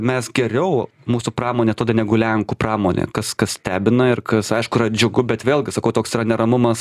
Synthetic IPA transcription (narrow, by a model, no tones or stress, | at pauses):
mʲɛsɡʲɛɾʲɛʊ | muːsuprɑːmoːnʲeːt̪oːd̪ɐnʲɛɡʊlʲɛŋkuːprɑːmoːnʲḛːkɐskɐssʲt̪ʲæːbʲɪnɐɪrkɐsɐɪʃkʊɪrɐd͡ʒʲʊɡʊbʲɛt̪ʋʲeːlˠʲɡʲɪsɐkɐʊt̪oːksɪɾɐnʲɛɾɐmʊmɐs